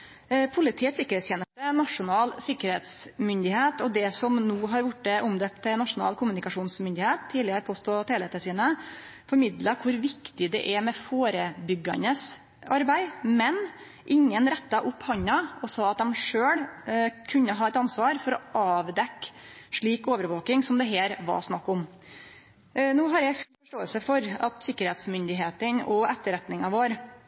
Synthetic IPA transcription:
pʰʊlɪt̪ʰiːət̪sɪkːəɾɛt̪sçeːnəst̪ənɑʂʊnɑːlsɪkːəɾheːt̪smʏnd̪ɪheːt̪ɔd̪ɛsɔmnuːɦɑɾʋʊʈːəʔʊmd̪øp̚t̪ʰːɛnɑʂʊnɑ̰ːlkʰʊmʉnɪkɑʂuːnsmʏnd̪ɪheːt̪ʰːiːd̪lɪəɾpʰoːst̪oːt̪ʰeːlɛt̪əsiːnə | fɔɾmɪd̪lɑkʰʊɾʋɪkt̪ɪd̪ɛ̰ʔɛmɛfoːɾəbʏɡɑ̰nəs | ɑɾbæɪmɛn | ʔɪŋːənɾɛt̪ːɑʔʊpːhɑɲːɑɔsɑːɑt̪̚d̪ɛmʂøːɽkʰʉnːəɦɑːɛt̪ɑnsʋɑːɾfɔɾɔɑːʋd̪ɛkːʂɭiːkoːʋəɾʋoːkɪŋsɔmd̪ɛɦeːɾʋɑ̰ɾsnɑkːʊm | nuːɦɑɾjæɪffɔʂʈoːəlsəfɔɾɑt̪sɪkːəɾheːt̪smʏnd̪ɪɦeːt̪ənɔɛt̪ːəɾɛt̪nɪŋɑʋoːɾ

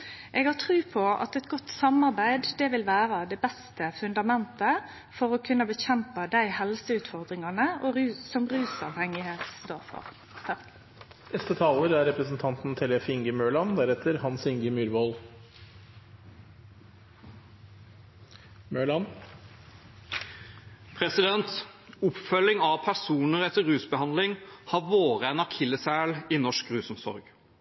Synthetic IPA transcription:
ʔeːɡhɑt̪ʰʁʉːpʰɔɑ̰t̪ɛt̪ɡɔt̪sɑmɑʁbæɪd̪d̪ɛːʋɪlʋæːʁəd̪ɛːbɛst̪əfʉnd̪ɑmɛnt̪ə | fɔʁɔkʰʉnːəbəçɛmpəd̪æɪhɛlsəʉːt̪fɔʁd̪ʁɪŋɑnəoʉsɔmʁʉːsɑ̰ʋhɛŋɪheːt̪sd̪oːʁfɔ̰ʁ | ɛst̪ət̪ʰɑːləɾæɾɛpɾəsn̩t̪ʰɑnt̪n̩t̪ʰɛlɛfɪŋɡəmøːɭɑnd̪æɾɛt̪ʰəɾhɑnsɪŋɡəmʉːɾʋoːl | møːɭɑn | pʰɾɛsɪd̪ɛnt̪ | ʊpfœlːɪŋɑʋpʰæsuːnəɾɛt̪ːəɾʉːsbəhɑnd̪lɪŋhɑʋoːʁəɛnɑkʰɪlːəsæːɭinɔʂkʁʉːsɔmsɔ̰ɾɡ

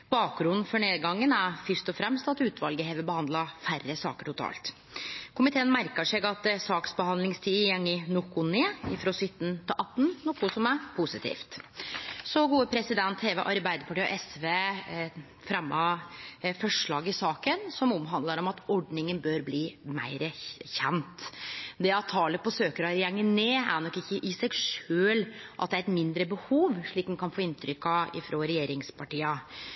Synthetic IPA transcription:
bɑːk̚ɾʉnn̩fɔɳeːd̪ɡɑŋːənæɾfʏʂt̪ɔfɾɛmst̪ɑt̪ʉːt̪ʰʋɑlɡəheːʋəbəhɑnd̪ləfærəsɑ̰ːkəʈʊt̪ʰɑ̰ːlt̪ | kʰʊmɪt̪ʰeːənmæɾkəʂeːɡɑt̪sɑːksbəhɑnd̪lɪŋst̪ʰiːjɛŋːənɔkːʊneːɪfɾoːsʏt̪ːnt̪ʰɪʔɑt̪ːn̩nɔkːʊsɔmæpʰʊsɪt̪ʰḭːft̪ | sɔɡuːəpʰɾɛsɪd̪ɛnt̪heːʋəʔɑɾbæɪd̪əpʰɑʈiːɔ̰ʔɛsʋeː | fɾɛmːɑ | fɔʂɭɑːɡɪsɑːkənsɔmɔmɦɑnd̪ləɾɔmɑt̪ɔɖnɪŋənbøːɾbliːmæ̰ɪɾəçɛnt̪d̪ɛɑt̪ʰːɑːləpɔsøːkəɾɑɾjɛŋːənːeːæ̰ɳɔkːɪçːəʔɪsɛɡʂøːlʔɑt̪d̪ɛæɾɛt̪mɪnd̪ɾəbəhuːʋʂɭiːk̪̚ɛnkʰɑnfoːɪnt̪ʰɾʏkːɑɪ̰fɾoːɾɛjeːɾɪŋspʰɑʈiːɑ

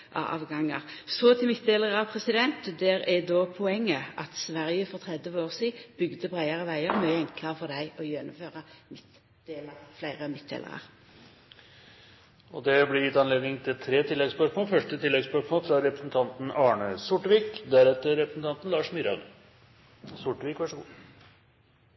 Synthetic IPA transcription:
ʔɑ̰ʔɑ̰ːʋɡɑŋːɑ̰ʁsɔt̪ʰɪlmɪt̪̚ːd̪eːləʁɑpʰʁɛsɪd̪ɛnt̪d̪ɛʁɛd̪oːpʰɔɛŋːəʔɑt̪sʋæʁjəfɔʁt̪ʰʁɛd̪ʋəoːʁsiːb̥ʏɡd̪əbʁæɪɑʁəʋæɪəʁmœɛŋklɑʁfɔʁd̪æɪɔjɛnʊmføːʁɑmɪt̪ | d̪eːlɑʁflæɪʁəmɪt̪̚d̪ḛːlə̰ʁɑ̰ʁ | ɔd̪ɛblɪɾjɪt̪ːɑnleːd̪nɪŋt̪ʰɪt̪ʰɾeːt̪ʰɪlːɛɡspœkmoːfœʂʈət̪ʰɪlːɛɡspœkmoːlfɾɑɾɛpɾə̥sn̩t̪ʰɑnt̪n̩ɑːɳəsʊʈʋiːkd̪æɾɛt̪əɾɾɛpɾəsn̩t̪ʰɑnt̪n̩lɑːʂmʏɾɑn | sʊʈʋiːkʋæʂəɡṵː

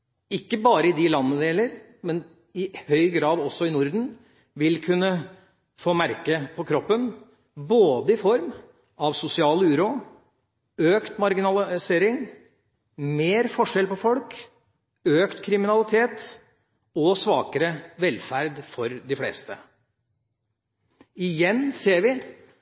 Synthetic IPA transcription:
ɪkːəbɑːɾəɪd̪ɪlɑnːəd̪eːləɾ | mɛn | ɪhœʏɡɾɑːd̪ɔsːɔɪnʊɾd̪n̩ | ʋɪlkʰʉnːə | foːmæɾkəpʰɔkʰɾɔpːən | boːd̪əɪfɔɾm | ɑʋsʊsɪɑːləʉːɾʊ | øːkt̪mɑɾɡɪnɑlseːɾɪŋ | meːɾfɔʂɛlpɔfɔlk | øːkt̪kʰɾɪmɪnɑlɪt̪ʰeːt̪ | ɔsʋɑːkəɾəʋɛlfæɾd̪fɔɾd̪ɪflḛːst̪ə̰ | ɪjɛnːseːɾʋɪ

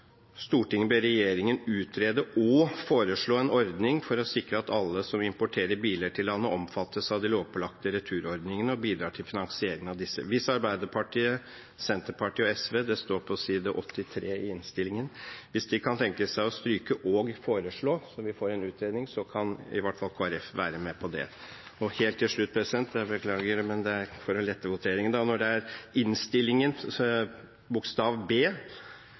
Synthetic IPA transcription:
st̪uːʈɪŋːəbeɾɛjeːɾɪŋənʉːt̪ʰɾeːd̪əʔɔfoːɾəʂɭoːɛnɔɾd̪nɪŋfɔɾɔsɪkɾəɑt̪ɑlːəsɔmɪmpɔʈʰeːɾəɾbiːləʈʰɪlːɑnːəʔɔmfɑt̪ːəsɑʋd̪ɪloːʋpʰɔlɑk̚t̪əɾɛt̪ʰʉːɾɔɾd̪nɪŋənəɔbiːd̪ɾɑːʈʰɪlfɪnɑŋsɪeːɾɪŋənɑʋd̪ɪsːə̰ʋɪsːəɑɾbæɪd̪əɾpʰɑʈʰiːə | sɛnt̪əɾpʰɑʈʰiːɔɛsʋeːd̪ɛst̪oːɾpʰɔsiːd̪əʔɔt̪ʰːɪt̪ʰɾeːɪɪnst̪ɪlɪŋənʋɪsd̪ɪkʰɑnt̪ʰɛŋkəsæɪɔst̪ɾyːkəʔɔɡfoːɾəʂɭoːsɔʋɪfoːɾɛnʉːt̪ɾeːd̪nɪŋsɔkʰɑnɪ̰ʋɑʈfɑlkʰoːæɾɛfʋæ̰ːɾəmɛpʰɔd̪ɛ̰ | ɔheːlt̪ʰːɪlʂɭʉt̪̚ːpʰɾɛsɪd̪ɛnt̪d̪ɛbəkʰlɑːɡəmɛnd̪ɛæɾfɔɾɔlɛt̪ːəɾʋʊt̪ʰeːɾɪŋənd̪ɑnɔɖɛæɾɪnst̪ɪlːɪŋən | bʊkst̪ɑːʋbeː

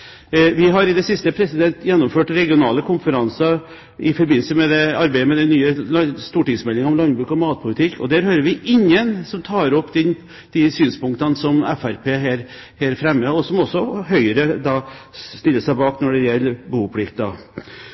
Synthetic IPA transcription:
ʋɪɦɑɾɪd̪ɛsɪst̪əpʰɾɛsɪd̪ɛnt̪jɛnːɔmføːʈɾɛɡɪʊnɑːləkʰʊnfəɾɑnsɑ | ɪfɔɾbɪnləsəmɛd̪ɛɑɾbæɪəmɛd̪ɛnːyːəlst̪uːʈɪŋsmɛlːɪŋɑɔmlɑnbɾʉːkɔmɑːt̪̚pʰʊlɪt̪ʰɪkːʰɔ̰d̪æɾhøːɾəɾʋɪʔɪɲːənsɔmt̪ʰɑːɾɔpːd̪ɛn | d̪̥ɪsyːnspʊŋk̚t̪ɑnsɔmɛfæɾpʰeːɦeːɾ | heːɾfɾɛmːəɔsɔmɔsːɔɦœʏəɾəd̪ɑːst̪ɪlːəsæɪbɑːknɔɖɛjɛlːəbuːpʰlɪkt̪̚d̪ɑ̰

